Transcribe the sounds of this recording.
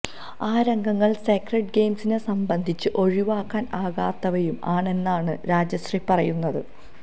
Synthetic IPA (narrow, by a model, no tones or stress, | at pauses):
aːɾɐŋɡʱɐŋːɐɭsekreɖ̚ɡejmsinesɐmbɐnd̪ʱit͡ɕːɨʔo̞ɻiʋaːkːaːnaːɣaːt̪ːɐʋɐjumaːɳe̞nːaːɳɨɾaːd͡ʑɐɕripɐrɐjunːɐðɨ̰